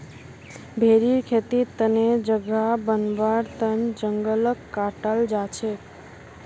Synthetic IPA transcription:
bʱeɾiɾkʰet̪it̪əned͡ʒəɡabənbaɾt̪ənd͡ʒəŋɡələkːaʈəld͡ʒat͡ʃʰe

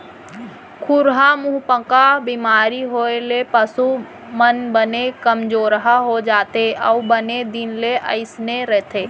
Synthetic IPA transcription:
kʰuɾɦamʊɦpə̃kabimaːɾiɦoelepəsu | mənbənekəmd͡ʒoːɾɦaɦod͡ʒaːt̪eəʊbəned̪ɪnleʔə̰ɪsneɾɛɦt̪ʰeː

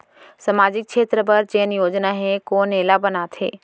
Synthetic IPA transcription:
sɐmaːd͡ʑɪk̚t͡ʃʰeːt̪ɾəbəɾd͡ʑeɦɪnjoːd͡ʑnaɦẽkoːneːlabənaːt̪ʰḛː

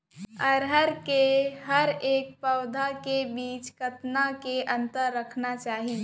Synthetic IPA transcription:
ɐɾɦəɾkeɦɐɾeːk̚pɐʊd̪ʱakebiːt͡ʃkɐt̪nakeʔɐ̃nt̪əɾːəkʰnat͡ʃaːɦi

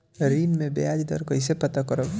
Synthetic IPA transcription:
ɾinmẽbḛad͡ʒd̪ɔ̰ɾkɔjsepɔt̪akɔɾɔ

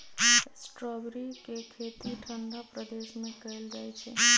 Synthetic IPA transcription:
sʈɾɔbɾikekʰet̪iʈʰənd̪apɾəd̪eʃmẽkəjld͡ʒajt͡ʃʰe

